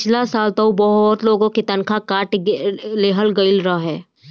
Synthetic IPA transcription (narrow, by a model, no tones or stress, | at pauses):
t͡ʃʰlasaːlt̪ɐubɔɦt̪loːɡõkit̪ɐnkʰakaːʈleːɦəlɡəɪlɾɐaɦɛː